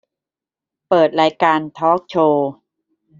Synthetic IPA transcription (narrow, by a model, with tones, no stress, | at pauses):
pɤː˨˩t̪̚ɾaː˧jkaː˧nt̪ʰɔː˦˥k̚t͡ɕʰoː˧